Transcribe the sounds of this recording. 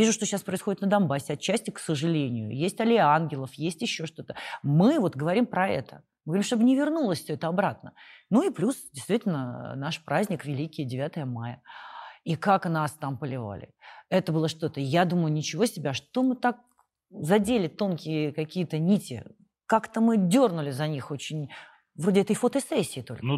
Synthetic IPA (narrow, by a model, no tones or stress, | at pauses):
vʲiʐʊʂt̪oɕːaspɾəɪsxodʲɪt̪nəd̪ɐnbasʲɪɐt͡ɕːæsʲtʲɪksəʐɨlʲenʲɪjʊ̰jesʲtʲɐlʲɪanɡʲɪlˠəfjesʲtʲɪɕːo̞ʂt̪o̞t̪əmɨvo̞t̪ɡəvɐɾʲimpɾɐɛ̰t̪ə | mɨɡəvɐɾimʂt̪obɨnʲɪvʲɪrnulˠəsʲfsʲøɛt̪əɐbɾat̪̚nənuiplʲusdʲɪjst̪vʲitʲɪlʲnə̰naʂpɾazʲnʲɪkvʲɪlʲikʲɪjədʲɪvʲat̪əjəmajə | ikaknast̪ampəlʲɪva̰lʲɪ̰ɛt̪əbɨlˠəʂt̪o̞t̪əjad̪uməjʊnʲɪt͡ɕɪvo̞sʲɪbʲaʂt̪o̞mɨt̪ak̚ | zɐdʲelʲɪt̪o̞nkʲɪjəkɐkʲijət̪ənʲitʲɪ̰ | kakt̪əmɨdʲornʊlʲɪzɐnʲixo̞t͡ɕɪnʲ | vɾo̞dʲɪɛt̪əjfot̪əsɛsʲːɪːt̪o̰lʲn